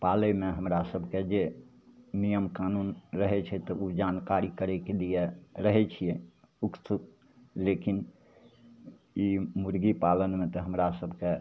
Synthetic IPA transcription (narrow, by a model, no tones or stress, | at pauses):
palemeɦəmɾasəbʱked͡ʒe | nijəmkanunɾəɦɛt͡ʃʰɛt̪ɔud͡ʒankaɾikəɾɛkelijeɾəɦɛt͡ʃʰijɛ | uksʰuk̚ | lekin | imuɾɡipalənmẽt̪ɔɦəmɾasəbʱke